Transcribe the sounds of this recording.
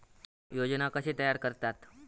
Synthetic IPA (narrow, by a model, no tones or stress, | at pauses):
jod͡ʑnakəɕiːt̪əjaɾkəɾt̪at̪